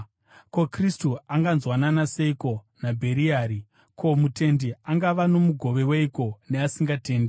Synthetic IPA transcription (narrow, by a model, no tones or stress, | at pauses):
ko̞kristuaŋɡanzwananase̞iko̞ | nabʱe̞ɾiaːɾi | kʰo̞mute̞ndiaŋɡaʋano̞muɡʱo̞ʋe̞weiko̞neasiŋɡate̞ːnde